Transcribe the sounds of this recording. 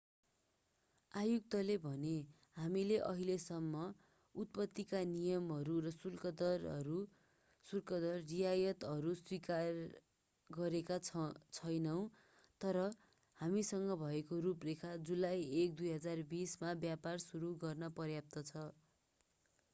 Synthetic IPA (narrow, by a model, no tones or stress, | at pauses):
ajuk̚t̪ʌlebʱʌne | hamileʔʌɦilesʌmːʌ | ut̪̚pʌt̪ːikanijʌmɦʌɾurʌsulkʌd̪ʌrɾu | surkʌd̪ʌrːijajʌt̪ʌɾuswikar | ɡʌɾekat͡sʰʌjnʌw̃ | t̪ʌɾʌ | hamisʌŋɡʌbʱʌekoruprekʰad͡zulajek̚d̪ujɦʌd͡zarbismabjaparsuɾuɡʌrnʌpʌrjap̚t̪ʌt͡sʰʌ